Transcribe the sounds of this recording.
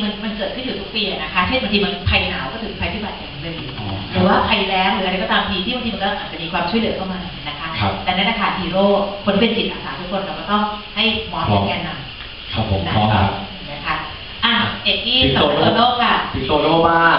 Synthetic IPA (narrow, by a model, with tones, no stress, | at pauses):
ma˧nma˧nkɤː˨˩t̪̚kʰɯ˥˩njuː˨˩t̪ʰu˦˥piː˧a˨˩na˦˥kʰa˦˥t͡ɕʰe˥˩na˧ŋt̪ʰiː˧ma˧npʰa˧jnaː˩˦wkɔː˥˩t̪ʰɯː˨˩˦a˧jp̪ʰi˥˩ba˨˩t̪̚t͡ɕa˨˩a˨˦lɯː˧˨˩ɾɯː˨˩˦waː˥˩pʰa˧jlɛː˦˥wɾɯː˩˦ʔɾa˧jkɔ˧˥˩t̪aː˧mt̪ʰiː˧t̪ʰiː˥˩a˧ŋt̪i˧m˧nkɔː˥˩ʔaː˨˩t̪̚t͡ɕa˨˩miː˧kʰwaː˧mt͡ɕʰjlɯ˨˩˦ɐ˦kʰa˥˩wmaː˧nː˨˩˦na˦kʰa˦˥a˦˥t̪ɛː˨˩na˦˥nla˧˩kʰa˦˥˩hiː˧ɾoː˥˩kʰo˧n˥pe˧nsi˨˩t̪̚ʔaː˨˩saː˨˩˦t̪ʰu˦˥kʰːo˧nkaː˨˩wkɔː˥˩t̪ɔ˥˩ŋha˥˩jmɔː˦˥nɔ˦˥˩kɛː˧nːa˧˩m | kʰa˦˧pʰːo˨˦na˦˥˧a˦˧˨ | na˥˩kʰa˦˥ | ʔaː˧˩de˨˩k̚t̪ʰiː˥˩˨oː˧˥˧loː˥˩kʰa˥˩pʰi˨˩o˧oː˥˩baː˥˩